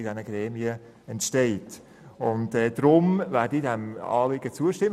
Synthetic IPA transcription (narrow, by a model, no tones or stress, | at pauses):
ɪdɛnəɡɾɛːmiə | ɛntʃtɛɪt | ʊntɛːdɾʊmvæːɾdidɛmɑ̰ːlɪɡət͡suəʃtɪm